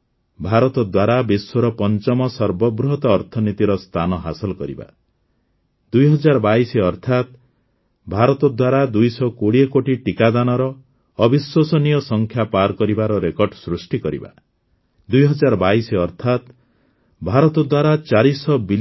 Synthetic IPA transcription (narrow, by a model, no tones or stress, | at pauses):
bʱaɾɔt̪ɔd̪waɾabiswɔɾɔpɔnt͡ʃɔmɔsɔɾbɔbɾuɦɔt̪ɔːɾt̪ʰɔnit̪iɾɔst̪ʰanɔɦasɔlɔkɔɾḭba̰ | d̪ujɦɔd͡ʒaɾbaiseɔɾt̪ʰat̪ | bʱaɾɔt̪ɔd̪waɾad̪ujsɔkoɽiekoʈiʈikad̪anɔɾɔː | biswɔsɔnijɔsɔŋkʰjapaɾkɔɾibaɾɔɾekɔɾɖsɾusʈikɔɾḭba̰ | d̪ujɦɔd͡ʒaɾɔbaisɔɾt̪ʰat̪ | bʱaɾɔt̪ɔd̪waɾat͡ʃaɾisɔbil